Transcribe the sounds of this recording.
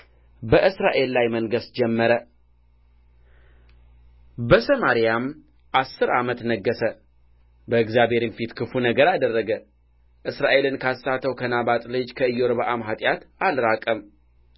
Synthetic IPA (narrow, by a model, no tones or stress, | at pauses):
bəʔɨsɾaʔe̞lːajməŋɡəsd͡ʒɛmːəɾə | bəsəmaɾijam | ʔasːɨɾʔamət̪nəɡːəsə | bəɨɡzjabe̞ɾinfit̪kʰɨfunəɡəɾad̪ərːəɡə | ʔɨsɾaʔe̞lɨnkʰasat̪ʰːəwkʰənabat̪ʼlɨd͡ʒkʰəɨjːoɾβaʔamɦat̪ʼjat̪alɾakʼəm